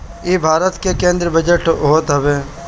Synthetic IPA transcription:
eːbʱaːɾət̪kekẽːnd̪ɾəbəd͡ʒəʈɦoːt̪ɦɐbeː

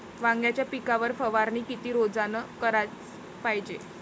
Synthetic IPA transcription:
ʋãŋɡjat͡ɕjapikaʋəɾfəʋaɾniːkit̪iːɾod͡zanəkəɾat͡s | pajd͡ʑe

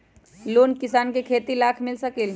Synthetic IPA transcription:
loːnkɪsaːnkekʰeːt̪ilaːkʰmɪlsɐkil

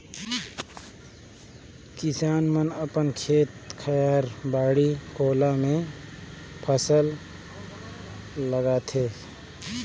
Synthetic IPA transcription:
kɪsaːnmənəpənkʰeːt̪kʰəjaːɾbaːɽikoːlamẽ | pʰəsəl | əɡat̪ʰeː

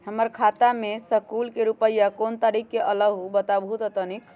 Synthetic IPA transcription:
həməɾkʰat̪amesəkulkeɾupəjakont̪aɾikːeʔələɡubət̪abʱɦut̪ət̪ənik

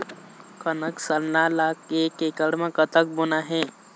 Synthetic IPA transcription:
kənəksəlnaːlaːkeːkekəɽmẽkət̪ək̚bʊnaɦɛ̃ː

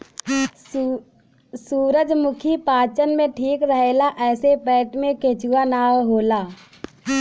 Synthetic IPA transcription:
suːɾəd͡ʒmʊkʰipaːt͡ʃənmẽʈʰiːkɾəɦeːlaʔɛːsepɛːʈmẽkeːt͡ʃuwanaːwɦoːlaː

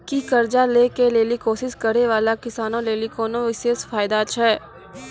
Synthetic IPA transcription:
kikɐɾd͡ʒaleːkeleːlikoːsɪʃkɐɾeʋaːlakɪsaːnõleːlikoːnõʋɪʃeːsfaːɪd̪at͡ʃʰɛː

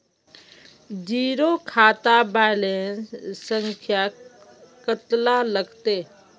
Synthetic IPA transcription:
d͡ʒiːɾokʰaːt̪abaɪlenssə̃ŋkʰja | kət̪laləɡt̪eː

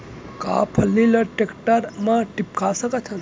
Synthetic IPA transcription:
ka̰pʰəlːiləʈekʈəɾmãʈipkʰasəket͡ʃʰən

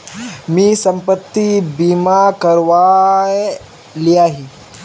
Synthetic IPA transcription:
miːsəmpət̪ːibimakəɾʋa | lijaɦi

